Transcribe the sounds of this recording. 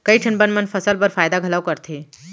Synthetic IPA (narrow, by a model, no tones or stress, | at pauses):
kəiʈʰənbənmənfəsəlbəɾfajd̪aɡʱəlaʋkəɾt̪ʰe